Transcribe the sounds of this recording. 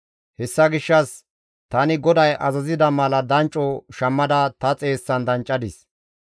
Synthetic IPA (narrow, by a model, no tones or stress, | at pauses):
hɛsːɐɡɪʃːɐs | t̪ɐnɪɡɔd̪ɐjʔɐ̰zɐzɪd̪ɐmɐlɐd̪ɐnt͡ʃʼɔʃɐmːɐd̪ɐt̪ɐt͡sʼe̞ːsːɐnd̪ɐnt͡ʃʼːɐd̪ɪs